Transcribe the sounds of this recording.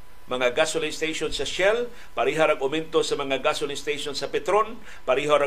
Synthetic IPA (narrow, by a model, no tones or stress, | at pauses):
mɐŋaɡasʊlɪŋst̪ejʃonsɐʃɛl | paɾiɦaɾɐɡʊmɛnt̪osɐmɐŋaɡasʊlist̪ejʃonsɐpɛt̪ɾon | paɾiɦoɾa